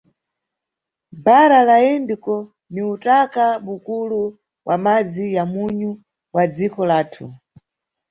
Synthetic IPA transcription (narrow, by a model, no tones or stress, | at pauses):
baɾalaɛndikɔ | niutakaɓukulu | wʔa̰mad͡zijamuɲu | wad͡zikɔlaːtʰu